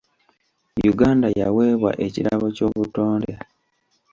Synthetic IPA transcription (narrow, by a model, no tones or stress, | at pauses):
juɡaːndaja̰we̞ːβwa̰ʔe̞ciɾaβo̞co̞ːβuto̞ːndea